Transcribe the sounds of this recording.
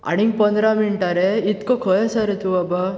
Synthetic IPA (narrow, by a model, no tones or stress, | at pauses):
a̰ɽ̃iŋɡpənd̪ɾamiɳʈaɾeit̪kokʰəjasaɾet̪uaba